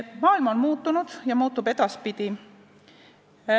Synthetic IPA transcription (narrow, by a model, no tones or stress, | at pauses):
mɑːilmɑo̞nmuːt̪ːˑunud̪̥jɑmuːt̪ːˑube̞d̪̥ɑspid̪̥i